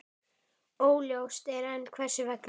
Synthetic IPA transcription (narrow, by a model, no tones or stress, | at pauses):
oːwljowst̪ɛɾɛnːkʰvɛ̥sʏvɛkn